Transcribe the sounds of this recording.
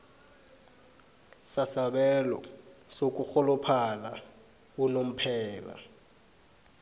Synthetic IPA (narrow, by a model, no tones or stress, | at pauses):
sasaɓɛlɔ̰sok̬ʼuxɔlɔpʰala | unom̩pʰɛːla̰